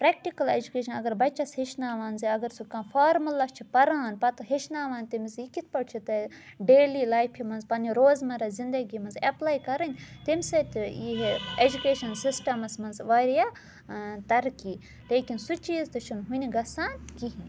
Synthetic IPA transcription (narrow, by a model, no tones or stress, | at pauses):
pɾɛːk̚ʈikɐlḛd͡ʒukeːʃɐnɐɡɐɾbɐt͡ʃːɐsheʃnaːʋaːnziɐɡɐɾsukãːfaːɾmɐlɐst͡ʃʰipɐɾaːnpɐt̪ɦeʃnaːʋaːnʲt̪imzikit̪ʰpɐɽt͡ʃʰit̪ɐ | ɖeːlilaːjpʰimɐnzpɐniɾoːzmɐɾɐzind̪ɐɡiːmɐnzɐplaːjkɐɾɐnʲt̪imʲset̪ʲiɦed͡ʒukeːʃɐnsisʈɐmɐsmɐnzʋaːɾija | t̪ɐɾkiː | leːkinsut͡ʃiːzt̪ɨt͡ʃʰunɦuniɡɐsaːnkiɦin